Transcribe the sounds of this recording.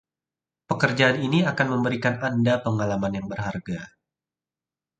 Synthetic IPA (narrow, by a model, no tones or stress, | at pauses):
pəkərd͡ʒaaniniakanməmbəɾikanandapəŋalamanjaŋbərɦarɡa